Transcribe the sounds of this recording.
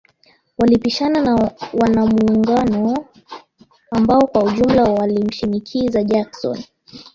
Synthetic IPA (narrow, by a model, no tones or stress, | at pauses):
walipiʃananawanamuːŋɡanɔ | ambaɔkwahuʄum̩lawalim̩ʃinikʰizaʄaksɔ̰n